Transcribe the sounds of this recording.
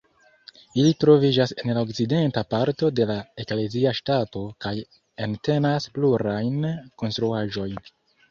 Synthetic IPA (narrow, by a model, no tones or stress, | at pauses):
ilitɾo̞vid͡ʒase̞nlaok̚side̞ntapaɾto̞de̞lae̞kle̞ziaʃtato̞kaj | ente̞naspluɾajnko̞nstɾuaʒo̞jn